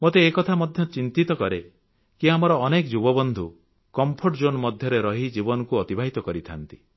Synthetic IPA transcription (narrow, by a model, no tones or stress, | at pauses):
mot̪eːkɔt̪ʰamɔd̪ʱjɔt͡ʃint̪it̪ɔkɔɾe | kiamɔɾɔːnekd͡ʒubɔbɔnd̪ʱu | kɔmpʰoʈd͡ʒonɔmɔd̪ʱjɔɾeɾɔɦid͡ʒibɔnɔkuɔt̪ibʱaɦit̪ɔkɔɾit̪ʰant̪i̥